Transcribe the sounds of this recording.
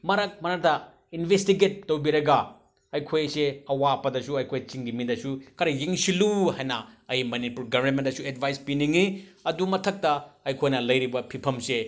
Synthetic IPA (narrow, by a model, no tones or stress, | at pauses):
mɐɾɐk̚mɐnɐtʰɐ | inbʱestiɡet̚ːɐwbiɾɐɡa | ɐjkʰojseɐwapɐdɐsuɐjkʰojt͡ʃiŋɡimindɐsukʰɐɾɐjeŋsiluɦajnɐɐjmɐnipuɾɡɐbʱɐɾmentɐsuedbʱajspiniŋiɐdumɐtʰɐk̚tɐɐjkʰojnɐlɐjɾibɐpʰipʰɐmse